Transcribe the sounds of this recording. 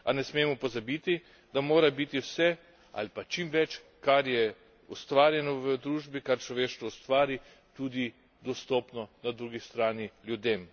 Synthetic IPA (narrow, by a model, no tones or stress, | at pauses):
anɛsmeːmɔpɔzabit̪i | d̪amoːɾabit̪iwsɛ | a̰lipat͡ʃimʋɛt͡ʃ | kaɾjɛ | ust̪ʋaːɾjɛnɔʋəd̪ɾuːʒbikaɾt͡ʃlɔʋeːʃt̪ʋɔust̪ʋaːɾi | t̪uːd̪i | d̪ɔst̪ɔːpnɔnad̪ɾuːɡist̪ɾaːnilʲjud̪eːm